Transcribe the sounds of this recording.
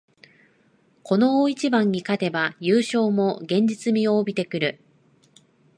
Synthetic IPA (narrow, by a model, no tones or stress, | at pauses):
ko̞no̞oit͡ɕibãɲ̟ːikat̪e̞bajɯːɕo̞ːmo̞ɡẽ̞ɲ̟d͡ʑit͡sɨmʲioːbʲit̪e̞kɯ̟ɾɯ̟